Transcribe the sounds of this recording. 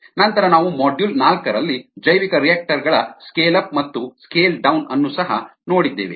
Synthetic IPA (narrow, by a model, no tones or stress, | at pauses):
nɐnt̪ɐɾɐnaːʋumɔːɖjulnaːlkɐɾɐlːid͡ʒɐjʋikɐɾijaːk̚ʈɐɾɡɐɭɐskeːlɐp̚mɐt̪ːuskeːlɖɐwnɐnːusɐɦɐ̰no̞ːɽid̪ːḛːʋḛ